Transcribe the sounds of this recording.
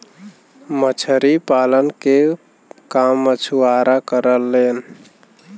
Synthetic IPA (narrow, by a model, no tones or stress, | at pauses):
mət͡ʃʰəɾipalənke | kamːət͡ʃʰuaɾakəɾəlːen